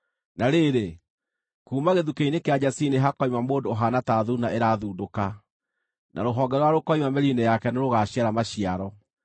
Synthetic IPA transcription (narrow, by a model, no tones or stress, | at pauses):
naɾeːɾe | kuːmaɣeðukeinekead͡ʒasineɦakɔimamodoɦanataːðunaʔeɾaðuːdoka | nʔa̰ɾoɦɔɡɛɾɔwaɾokɔimamɛɾinɛjakɛneɾoɣaɕiaɾamaɕiaɾɔ